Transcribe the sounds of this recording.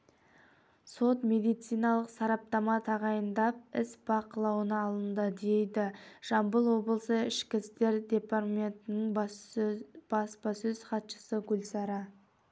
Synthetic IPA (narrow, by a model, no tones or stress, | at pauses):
so̞t̪me̞d̪ijt̪sijnɑlˠəqsɑɾɑp̚t̪ɑmɑt̪ʰɑʁɑjənd̪ɑp̚ɪsb̥ɑqəlˠɑwənɑːlˠənd̪əd̪ejd̪ɪʒ̥ɑmbəlˠwo̞blˠəsəɪʃkʲɪst̪e̞ɾd̪e̞parmʲent̪ɪnɪɴ | b̥ɑspɑsɵzχɑt̪ʃə̥səɡʲʊlʲsɑɾɑ